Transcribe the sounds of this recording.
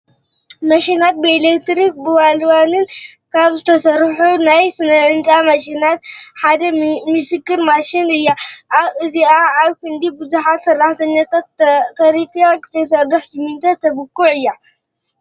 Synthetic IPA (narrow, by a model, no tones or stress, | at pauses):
mɐʃinat̪̚belekt̪ɾik̚bɨwalwanɨnkʰaβzɨt̪ʰɐsɐrħunajsɨnɐɨnt͡ʃʼamɐʃinat̪ħad̪ɐmɨsɨkːɨɾmaʃinɨjːaʔaβɨziʔaaβkʰɨnd̪ibɨzuħat̪sɐrːaħt̪ʰɐɲːat̪ʰat̪ːʰɐɾikijakɨ̥t̪ʰɐs̬ɐrːɨħsɨmːɨnt̪ʰɐt̪ʰːɐβɨkːuʕɨjːa